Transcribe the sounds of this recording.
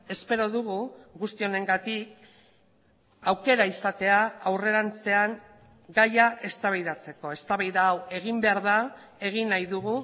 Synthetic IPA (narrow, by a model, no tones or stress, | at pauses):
e̞spe̞ɾo̞ðuɣuɣust̪io̞ne̞ŋɡat̪ik̚ | awke̞ɾaisat̪e̞aawre̞ɾant͡se̞aŋ | ɡajaʔe̞st̪aβajðat͡se̞ko̞e̞st̪aβajðaːwe̞ɣimbe̞aɾða | e̞ɣinajðuɣu